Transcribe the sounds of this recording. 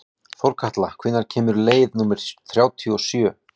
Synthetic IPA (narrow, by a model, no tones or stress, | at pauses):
fowɾkʰaht̪lakʰvɪnːaɾ̥cʰɛːmʏɾleːjðnuːmɪɾ̥θɾjaːwt̪ʰiɔsjœ